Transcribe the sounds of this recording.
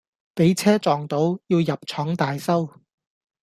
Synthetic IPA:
pe˨˥jt͡sʰɛː˥t͡sɔː˨ŋt̪o˨˥wjiː˧wjɐ˨p̚t͡ʃʰɔː˨˥ŋt̪aː˨jsɐ˥w

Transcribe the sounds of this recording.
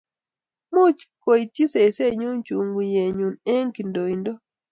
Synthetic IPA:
mu˦t͡ʃko˨i˨ti˦se˨se˦ɲu˦nt͡ʃu˨ŋɡu˨je˨ɲu˨ne˦ŋki˨ndo˨i˨ndo˦

